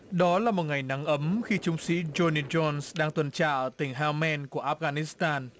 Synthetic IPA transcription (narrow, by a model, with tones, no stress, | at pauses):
ɗɔ˨˦laː˨˩mo˨˩t̚ŋa˨˩jna˨˦ŋʔə˨˦mxi˧t͡ɕʊ˨˦ŋ͡msḭ˧˥zo˧ni˧zɔ˧nsɗaː˧ŋt̪wə˨˩nt͡ɕa̰ː˧˩˨ʔə˨˩t̪ï˧˩ŋ̟ɦaː˧mɛ˧nku˧˩əʔaː˦˧˥ɣaː˧ni˦˥st̪aː˧n